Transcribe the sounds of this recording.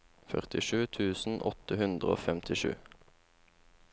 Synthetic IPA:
fœ̰ʁt̪ɪʃʉːt̪ʰʉːsn̩ʔɔt̪əhʉnd̪ʁəo̰ːfɛmt̪ʰɪʃʉ̰ː

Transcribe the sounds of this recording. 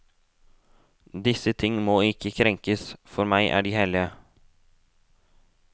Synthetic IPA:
d̪ɪsət̪ʰɪŋːmoːɪkʰəkʰɾɛŋkəsfɔɾmæɪʔæ̰ːɖiːhɛlɪə

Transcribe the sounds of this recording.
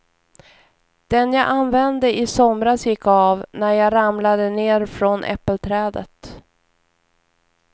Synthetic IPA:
d̪̥ɛnjɑːʔanvɛnd̪əʔɪsɔmɾasjɪkːavnæɾjɑːɾamlad̪əneːɾfɾɔnʔɛ̰pːəlt̪ʰɾɛːd̪ə̰t̪

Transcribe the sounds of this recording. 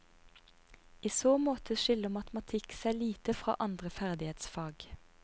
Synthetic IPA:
iːsoːmoːt̪ʰəʃʏləmɑt̪mɑt̪ʰɪksæːliːt̪əfʁɑ̰ːʔɑnd̪ʁəfæʁd̪ɪheːt̪sfɑːɡ

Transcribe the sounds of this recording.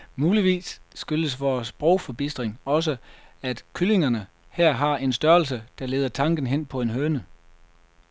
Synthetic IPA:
muːliʋḭːsːɡ̥øləsʋɒːsb̥ʁoʊfɒ̽b̥isd̥ʁeŋɒ̽s̬əæd̥kʰyle̝ŋɐnə | hæɐ̰ɦɑ̈e̝nsd̥ɶɐl̩s̬əd̥ɑ̈le̝ːðˠɐt͡sʰɑ̈ŋɡ̥n̩ɦen̰pʰɒ̽e̝nɦøːnə

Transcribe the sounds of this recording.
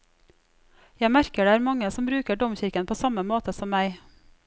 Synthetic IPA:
jæɪmæɾkəɖeːæːɾmɑŋəsɔmbɾʉːkəɖɔmçɪɾkənpʰoːsɑməmoːt̪əsɔmmæɪ

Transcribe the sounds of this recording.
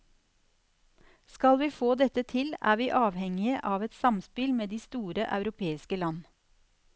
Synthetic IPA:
skɑlʋiːfoːd̪ɛt̪ət̪ʰɪlæ̰ːʋiːʔɑːʋhɛŋɪəʔɑːʋɛt̪sɑmspɪlmeːd̪iːst̪uːɾəʔɑʉɾʊpʰeːɪskəlɑn

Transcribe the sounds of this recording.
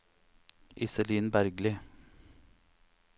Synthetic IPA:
ʔɪsəliːnbæɾɡlɪ

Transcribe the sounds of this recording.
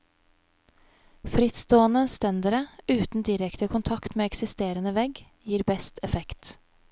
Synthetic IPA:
fɾɪt̪st̪oːənəst̪ɛnd̪əɾəʉːt̪n̩d̪ɪɾɛkt̪əkʰʊnt̪ʰɑkt̪meːɛksɪst̪eːɾənəʋɛɡ | jiːɾbɛst̪ɛfɛkt̪

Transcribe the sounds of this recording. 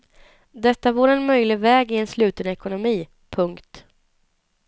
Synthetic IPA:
d̪ɛt̪ːavoːɾɛnmœjlɪɡvɛːɡɪɛnslʉ̟ːt̪ənɛkʊnʊmiː | pʰɵŋkt̪

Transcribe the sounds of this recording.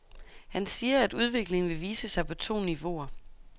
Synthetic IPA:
hænsiːɐæd̥uð̞ˠʋe̝ɡ̥le̝ŋn̩ʋe̝ʋiːsəsɑ̈ɪpʰɒ̽t͡sʰo̝̰ːniʋo̝̰ɐ

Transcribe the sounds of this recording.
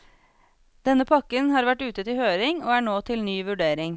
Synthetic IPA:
d̪̥ɛnːəpʰɑkənhɑːɾʋæʈʉːt̪ət̪ɪhøːɾɪŋoːæːɳoːt̪ʰɪlnyːʋʉɖeːɾɪŋ

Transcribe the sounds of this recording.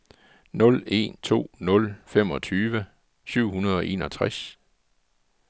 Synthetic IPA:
nɔ̽le̝̰ːnt͡sʰo̝̰ːnɔ̽lfem̰ɒ̽t͡sʰyːʋə | syʊ̰hunɐð̞ˠɒ̽ʔe̝ːnɒ̽t͡sʰʁas

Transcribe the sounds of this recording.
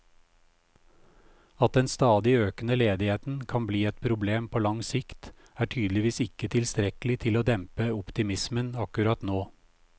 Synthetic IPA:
ɑt̪̚d̪ɛnst̪ɑːd̪ɪøːkənəleːd̪ɪheːt̪n̩kʰɑnbliːɛt̪̚pʰɾʊbleːmpʰoːlɑŋsɪkt̪ | æːʈʰyːd̪lɪʋiːsɪkət̪ʰɪlst̪ɾɛklɪt̪ʰɪloːd̪ɛmpəʊpt̪ɪmɪsmənɑkʉɾɑt̪noː

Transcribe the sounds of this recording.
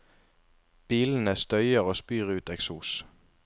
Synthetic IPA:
b̥iːln̩əst̪œʏəʁoːspyːʁəʉːt̪ɛksuːs

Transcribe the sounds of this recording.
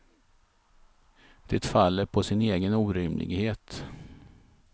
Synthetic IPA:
d̪̥ɛt̪falːəɾpʰɔsɪneːɡənuːɾɪmlʔɪ̰ɡheːt̪

